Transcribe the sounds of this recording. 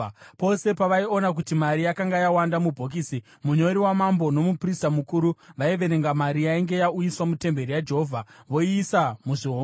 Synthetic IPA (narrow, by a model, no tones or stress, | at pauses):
po̞se̞paʋaio̞nak̬utimaɾijakaŋɡajawandamubʱo̞k̬iːsi | muɲo̞ɾiwamambo̞no̞mupristamukuɾuʋaiʋe̞ɾe̞ŋɡamaɾijaiŋɡe̞jaujiswamute̞mbe̞ɾijad͡ʒe̞ɦovʱaʋo̞iːsamuʐiɦo